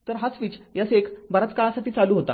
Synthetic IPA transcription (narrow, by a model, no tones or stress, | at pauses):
t̪əɾɦasʋit͡ɕjasekbaɾat͡skaɭasaʈʰiːt͡saluːɦot̪a̰